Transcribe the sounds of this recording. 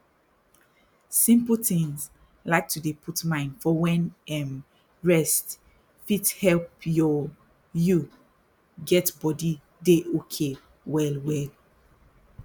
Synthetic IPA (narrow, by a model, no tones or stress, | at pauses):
sĩmpltĩŋz | laɪk̚tʰudepʰutmãɪ̃ndfɔwɛ̃nɛ̃m | ɹɛst | fithɛlpjɔ | ju | ɡɛtbɔdi | deʔokʰe | wɛlwɛl